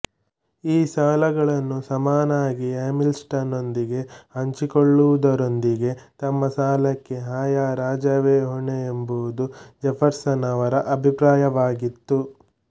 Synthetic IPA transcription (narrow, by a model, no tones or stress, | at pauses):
iːsaːlɐɡɐɭɐnːusɐmaːnaːɡieːmilsʈɐno̞nd̪iɡehɐɲt͡ʃikoɭːuʋud̪ɐɾo̞nd̪iɡe̞t̪ɐmːɐsaːlɐkːe̞ɦaːjaːɾaːd͡ʒɐʋeːɦɔɳeembuʋud̪ud͡ʒɛpʰɐɾsɐnɐʋɐɾɐʔɐbʱipɾaːjɐʋaːɡit̪ːu